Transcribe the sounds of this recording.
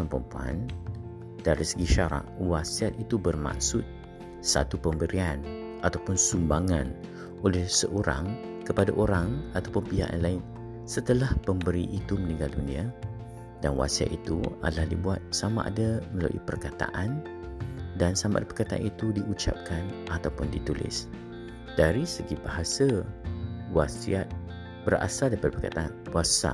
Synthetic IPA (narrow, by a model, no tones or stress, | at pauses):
mpɾəmpua̰n | d̥aɾisəɡiʃaɾa̰ʔwasiat̪̚it̪ubərma̰k̚sʊt̪̚ | sa̰t̪upəmbəɾian | at̪awpʊnsumbaŋa̰n | olɛhsəʔoɾa̰ŋ | kəpadaʔoɾaŋat̪awpunpiɦa̰ʔanlaɪn | sət̪əlahpəmbəɾiʔit̪umənĩŋɡaldunĩa | danwa̰sia̰t̪̚it̪ṵa̰dəlahdibuat̪̚samã̰ʔa̰daməla̰luʔḭpərkat̪a̰ʔan | dansamãʔadapərkat̪aʔa̰nit̪udiʔut͡ʃa̰p̚kanʔat̪awpʊndit̪ulɪ̰s | d̥aɾisəɡibaɦasa | wasiat̪̚ | b̥əra̰saldaipadəpərkat̪aʔanwasa̰